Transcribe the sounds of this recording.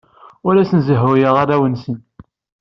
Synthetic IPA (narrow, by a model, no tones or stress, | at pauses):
ʊlæsənzəɦʊjəʁaɾæwənsən